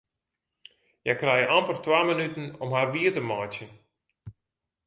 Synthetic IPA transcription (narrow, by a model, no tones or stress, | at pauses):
jakrɛjəampərtwaːmənytən̩ɔmhaːrʋiətəmɔjtjən